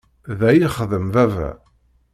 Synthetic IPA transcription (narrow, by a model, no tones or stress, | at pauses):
ðæjiχðəmvævæ̰